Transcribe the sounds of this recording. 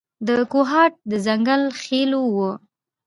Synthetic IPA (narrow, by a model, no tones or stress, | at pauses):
d̪əkoɦɑʈ̚d̪əzaŋɡalxelowə